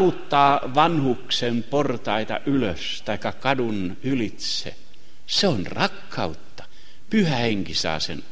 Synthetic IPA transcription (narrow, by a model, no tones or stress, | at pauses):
ut̪ːɑːʋɑnhuksemport̪ɑit̪ɑ̰ʔyløst̪ɑikːɑkɑdun | ylit̪sḛ | seonrɑkːɑut̪ːɑ̥ | pyhæheŋkisɑ̰ːsḛn